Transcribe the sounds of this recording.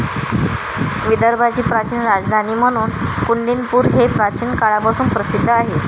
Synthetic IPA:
ʋid̪əɾbʱat͡ɕiːpɾat͡ɕiːnɾad͡zd̪ʱaniːm̤əɽ̃uːnkuɳɖinpuːɾɦepɾat͡ɕiːnkaɭapasuːnpɾəsid̪ʱːəaɦe

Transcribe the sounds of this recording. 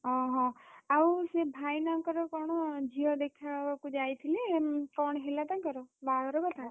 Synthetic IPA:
ɦɔ̃ɦɔ̃awsebʱajnamkɔɾɔkɔɽ̃ɔd͡ʒiɔd̪ekʰabakud͡ʒajt̪ʰilekɔɽ̃ɔɦelat̪akɔɾɔbaɡɔɾɔkɔt̪ʰa

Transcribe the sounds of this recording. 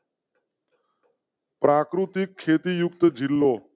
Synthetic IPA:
pɾaːkɾut̪ikʰːeːt̪ijʊkt̪əd͡ʒʱilːoː

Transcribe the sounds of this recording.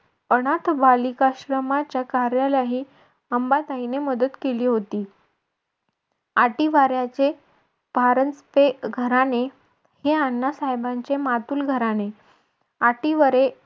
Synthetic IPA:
əɽ̃at̪ʰbalikaɕɾəmat͡ɕjakaɾjalaɦiː | əmbat̪aɦineməd̪ət̪keliːɦot̪iː | aʈiʋaɾjat͡ɕe | bʱaɾənspeɡʱəɾane | heanːasaɦjbaɲt͡ɕemat̪uːlɡʱəɾane | aʈiʋaɾe

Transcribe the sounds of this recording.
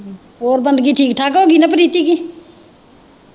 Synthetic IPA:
oːɾbə̃nd̪kiʈʰiːkʈʰaːkoɡinapɾiːt̪iki

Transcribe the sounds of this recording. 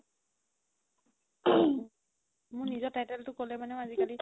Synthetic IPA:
mʊɹnizɔtajtɛltʊkolɛmanɛ̃azikali

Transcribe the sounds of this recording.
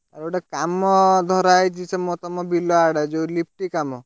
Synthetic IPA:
aɾɔɽekamɔd̪ʱɔɾajt͡ʃisʰɛmɔt̪ɔmɔbilɔaɽad͡ʒolip̚ʰʈikamɔ

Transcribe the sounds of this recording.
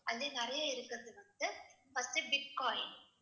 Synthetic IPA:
ɐlːeːnɪɾɐjaɪɾɯkːɯɾɐðɯʋɐnd̪ɯ | fɐst̪ɯbɪʈ̚kaːjn

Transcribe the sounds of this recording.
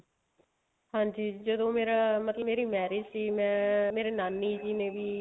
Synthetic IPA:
hãːd͡ʒiːd͡ʒəd̪õːmeːɾaːmət̪ləbmːeːɾiːmɛːɾɪd͡ʒsiːmɛ̃ːmeːɾeːnaːnːiːd͡ʒiːnẽːbiː

